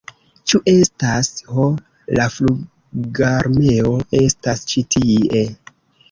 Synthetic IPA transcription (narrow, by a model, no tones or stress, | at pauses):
t͡ʃuʔe̞stasho | laflu | ɡaɾme̞o̞e̞stast͡ʃitʰie̞